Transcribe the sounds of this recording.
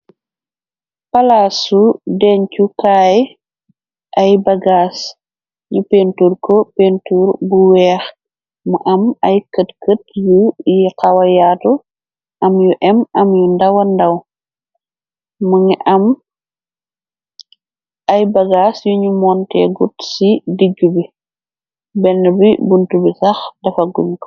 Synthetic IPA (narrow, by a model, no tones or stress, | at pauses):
pɐlaːsudɛːncukaːj | ʔɐjbɐɡaːs | ɲupentuɾkɔpentuːɾbuwɛːx | mɐʔɐmɐjkətkətjujiqawɐjaːtu | ʔɐmjuʔɛmɐmjundɐwɐndɐw | mɐŋɛʔɐm | ɐjbɐɡaːsjuɲumɔntɛ̰ɡutsidiɡːubi | bɛnːbibuntubisɐxdɐfɐɡunkɔ̥